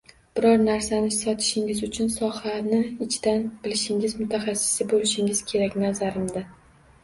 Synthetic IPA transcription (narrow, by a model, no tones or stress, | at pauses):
b̥ɪɾɒɾnaɾsanɪsɒt̪ʰɪ̥ʃɪŋʲɪzʊt͡ʃʰʊnsɒhanɪɪt͡ʃʰɪd̪̥anb̥ɪlɪʃɪŋʲɪzmʊt̪ʰaχasːɪ̥sɪbolɪʃɪŋɪz̥kʲʰe̞ɾakʲnazaɾɪmd̪a